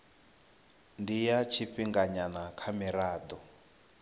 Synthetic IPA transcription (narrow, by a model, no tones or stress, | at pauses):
ndijat͡ʃʰiɸiŋɡaɲanakʰamɛɾaːd̪ɔ